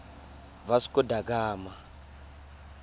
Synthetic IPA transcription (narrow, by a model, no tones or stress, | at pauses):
vasi̥kɔdakaːma